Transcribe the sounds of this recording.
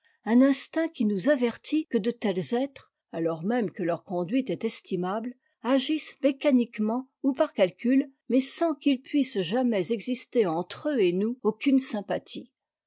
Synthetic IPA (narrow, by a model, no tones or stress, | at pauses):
ɛ̃nɛ̃st̪ɛ̃kʲinuzavɛʁt̪ʰikəd̪ət̪ɛlzɛt̪χ | alɔʁmɛmkəlœʁkɔ̃d̪ɥit̪ɛt̪ɛst̪imabl | aʒismekanikmɑ̃ | upaʁkalkʲylmɛsɑ̃kilpɥisʒamɛzɛɡzist̪eɑ̃t̪χøenuokʲynsɛ̃pat̪ʰi